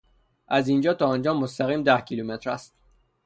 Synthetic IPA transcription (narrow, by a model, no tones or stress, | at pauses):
ʔæzind͡ʒɒːt̪ʰɒːɒːnd͡ʒɒːmost̪æɣiːmd̪æhcʰilumet̪ɾæst̪